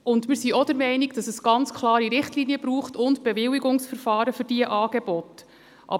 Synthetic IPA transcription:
ʔʊndmɪɾsiɔdəɾmɛɪniɡd̥ɑsəsɡ̥ɑnt͡skʰlˠɑːɾiɾɪχtliːniəbɾuːχtʊntb̥ɛvɪwiɡʊŋsfəɾfɑːɾəfʏɾdiəʔɑːɡ̥ebɔt | ʔɑ̰

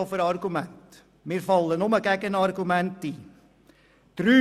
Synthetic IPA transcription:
fəɾɑrɡymænt | mirfɑlˠːənɔməɡɛɡənɑrɡumænti | tryː

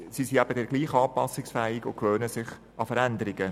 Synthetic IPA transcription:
sisiæb̥ədɛɾɡ̥liːχɑːpɑsɪksfɛːɪɡʊkʋøːnəsɪχ | ʔɑfəɾænd̪əɾɪɡə

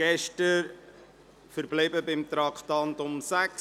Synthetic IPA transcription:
ɛʃtəɾ | fəɾblibəbɪmt̪ɾɑkʰtɑntʊmsæk

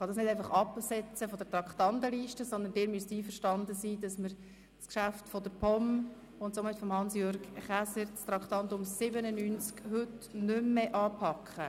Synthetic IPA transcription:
χɑdɑsnɪdæɪfɑχɑpsɛt͡səfɔd̪ətrɑkχt̪ɑnt̪əliːʃtəsɔnd̪əndɪːɾmyəstiːfəʃtɑnd̪əsiːdɑsməɾ | skʃæftfɔd̪əɾpʰɔm | ʊntsomɪtfɔmhɑnsjøɾɡχæsəɾt͡st̪ɾɑkt̪ɑntʊmsɪbənənynt͡skhɵtnʏmːeʔɑːpʰɑkχə

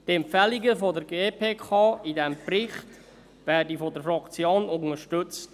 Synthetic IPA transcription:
tɛmpfɛliɡəfɔdəɾɡeːpʰeːkʰɑːidɛmprɪχt | vɛːdifɔdəɾfɾɑkt͡sjoːnʊŋəɾʃtʏt͡st

